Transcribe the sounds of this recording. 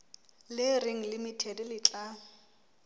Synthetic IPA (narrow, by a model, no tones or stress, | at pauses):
lɪrɪŋ̩lɪmitʰɛdɪlɪt͡ɬʼa